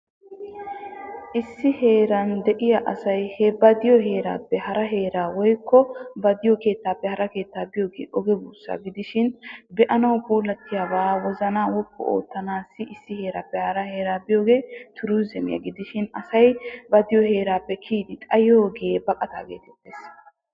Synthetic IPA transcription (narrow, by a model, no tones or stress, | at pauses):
ʔɪsːɪhe̞ːɾɐnd̪ɛʔɪjaʔɐsɐjhɛbɐd̪ɪjɔɦe̞ːɾa̰ːpːɛhɐɾɐɦe̞ːɾaːwɔjkːɔbɐd̪ɪjɔke̞ːt̪ːaːpːɛhɐɾɐke̞ːt̪ːaːbɪjoːɡḛːʔɔɡɛbuːsːa̰ːɡɪd̪ɪʃɪnbɛʔɐnɐwpuːlɐt̪ːɪjaːbaːwɔzɐnaːwɔkːɔ̰o̰ːt̪ːɐnaːsːɪɪsːɪhe̞ːɾaːpːɛhɐɾɐhe̞ːɾaːbɪjo̞ːɡe̞ːt̪ʰʊɾuːzɛmɪ̰jɐ̰ɡɪd̪ɪʃɪnɐ̰sɐjbɐd̪ɪjɔhe̞ːɾaːpːɛkʰiːd̪ɪt̪ʼɐjoːɡɪjebɐkʼɐt̪a̰ːɡe̞̰ːt̪ɛt̪ːeːs